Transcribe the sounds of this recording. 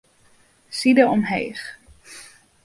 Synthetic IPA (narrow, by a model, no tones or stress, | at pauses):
sidəɔmɦḛjχ